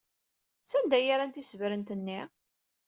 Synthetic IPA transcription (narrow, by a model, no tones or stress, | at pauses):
sænd̪æjaɾant̪isvɾənt̪ənːi